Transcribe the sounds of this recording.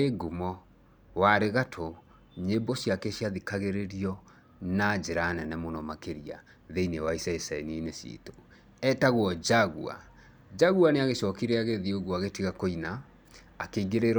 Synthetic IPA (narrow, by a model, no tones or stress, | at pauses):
eɡumɔ | waɾeɣatʰo | ɲebosiakɛsiaðikaɣeɾeɾiɔ | nad͡ʒeɾaːnɛnɛmonɔmakeɾia̰ | ðeinewaisɛesaeninesjḛto̥ | ɛtaɣwɔd͡ʑaɣṵa̰ | d͡ʑaɣuaneaɣeɕɔkiɾɛaɣeðioɣuaɣetiɣakoinaː | keiɣeɾeɾ